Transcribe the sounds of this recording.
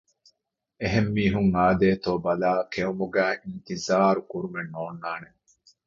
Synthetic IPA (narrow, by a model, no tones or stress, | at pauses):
eɦemːiːɦuŋaːd̪eːt̪oːbɐlaːkeumuɡæːʔint̪izaːɾukuɾumenːoːnːaːne